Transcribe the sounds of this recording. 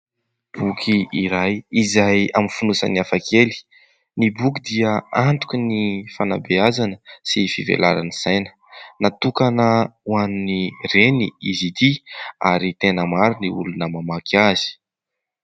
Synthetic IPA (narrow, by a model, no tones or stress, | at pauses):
b̥ukʰiiɾajizajamifunusa̰niafakʰeli̥ | nibuk̬id̪iəant̪u̥kʲunifana̰beazanəsifivḛla̰ɾaniz̥ajnə̥ | nat̪ukanəuaninireniizit̪iaɾit̪enəmaɾuniṵlunəmamakʰazi̥